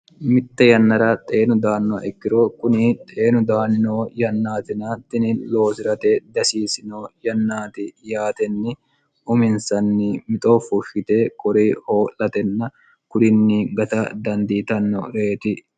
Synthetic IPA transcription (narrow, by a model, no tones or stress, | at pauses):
mɪt̪ːɛjɐnːɐɾɐt̪ʼe̞ːnʊd̪aːnːɔɐ̰ʔɛkːɪɾoːkʊnɪt̪ʼe̞ːnʊd̪aːnɪnoːjɐnːaːt̪ɪnaːt̪ːɪnɪlo̞ːsɪɾɐt̪ed̪ɐsiːsɪnoːjɐnːaːt̪ɪjaːt̪ɛnːɪ | ʔʊmɪnsɐnːɪmɪt̪ʼoːfʊʃːɪt̪eːkʼɔɾeːho̞ːlːɐt̪ɛnːɐ | kʊɾɪnːɪɡɐt̪ɐd̪ɐnd̪iːt̪ɐnːɔ̰ɾeːt̪ɪ